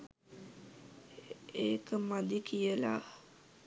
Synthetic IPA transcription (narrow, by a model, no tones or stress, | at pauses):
eːkəmad̪ikʰijəla̰